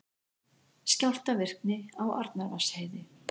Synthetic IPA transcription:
scal̥t̪avɪr̥knɪawa̰ɾt̪naɾvasheːjðɪ

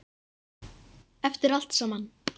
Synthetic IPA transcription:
ɛft̪ɪɾal̥t̪sɔmanː

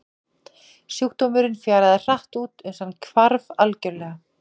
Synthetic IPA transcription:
sjuwkt̪owmɪɾɪnfjaːɾaðɪr̥aht̪uːt̪ɛnsankʰvaɾvalcœɾlɛːɣa

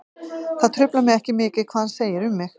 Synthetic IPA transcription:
θaðt̪ʰɾʏplamɪðɛhcɪmɪːcɪðkʰvaːðanseːjɪɾʏmːɪx

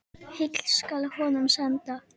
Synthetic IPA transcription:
hɪkl̥skalhɔnʏmsɛnt̪a

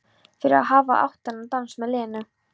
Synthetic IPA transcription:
fɪɾɪ̰ɾa̰ɦaːvaʔa̰wht̪anːat̪ansmɛðlɛːnʏ

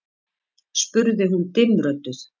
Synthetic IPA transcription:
spʏɾðɪɦunt̪ɪnɾœt̪ʏθ

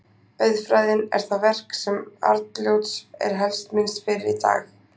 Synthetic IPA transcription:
œɥðfɾajðɪnɛ̰ɾ̥θavɛr̥ksɛma̰ɾt̪ljowt̪sɛ̰ɾ̥ɦɛlst̪mɪnst̪fɪɾɪɾit̪a̰ːx

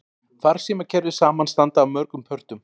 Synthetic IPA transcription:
θaɾ̥siːmacʰɛɾðɪ̥saːmanst̪ant̪aːwmœɾkʏmpʰœr̥t̪ʏm

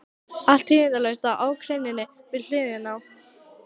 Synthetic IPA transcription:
al̥t̪himɪt̪alɛɣst̪awaːwkʰɾɛnːɪnːɪ | vɪðl̥ɪːðɪnaw

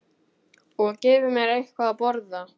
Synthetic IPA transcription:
ɔɣcɛːvʏmjɛɾejhkvaːpɔɾða

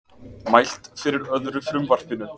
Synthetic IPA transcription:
majl̥t̪fɪɾɪɾœðɾʏfɾʏmvar̥pɪnːʏ

